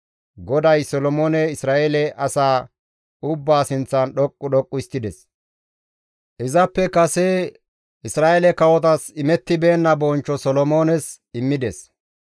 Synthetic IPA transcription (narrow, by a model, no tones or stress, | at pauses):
ɡɔd̪ɐjsɔlɔmoːnɛɪsɾaːʔɛlɛʔɐsaː | ʊbːaːsɪnt͡sːɐnɗɔkʼːʊɗɔkʼːʊɪst̪ːɪd̪ɛs | ʔɪzɐpːɛkɐsɛ | ʔɪsɾaːʔɛlɛkɐwɔt̪̬ɐsɪmɛt̪ːɪbe̞ːnːɐbɔnt͡ʃːɔsɔlɔmoːnɛs | ɪmːɪd̪ɛs